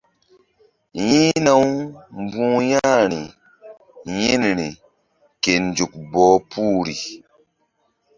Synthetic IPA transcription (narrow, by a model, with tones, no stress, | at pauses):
jĩ˦na˦wmbũː˦jã˦ɾi˨ | ji˦n˨ɾi˨ | ke˨n˨d͡ʒu˨k̚bɔː˨˦pu˦ɾi˨